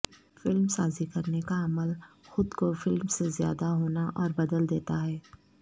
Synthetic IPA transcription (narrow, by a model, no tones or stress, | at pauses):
fɪlmsaːzikɐɾnekaɐməlxʊd̪kofɪlmsezja̰ːd̪aɦoːnaʔɔːɾbɐd̪əld̪eːt̪aɦɛː